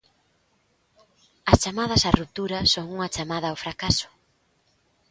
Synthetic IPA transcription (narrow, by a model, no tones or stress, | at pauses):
ɐst͡ʃamað̞ɐsarup̚t̪uɾɐsoŋuŋɐt͡ʃamaðɐːwfɾakasʊ̥